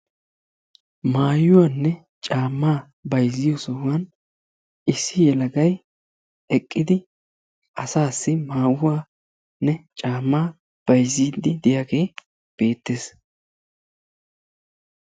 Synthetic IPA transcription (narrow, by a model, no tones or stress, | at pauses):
maːjʊwanːɛ | t͡ʃʼaːmːaː | bɐjzɪjɔsɔwʊwɐn | ʔɪsːɪjɛlɐɡɐj | ɛkʼːɪd̪ɪ | ʔɐsaːsːɪmaːwʊwaː | nːɛt͡ʃʼaːmːaː | b̥ɐjziːd̪ɪd̪ɪjaːɡe̞ː | b̥e̞ːt̪ːe̞ːs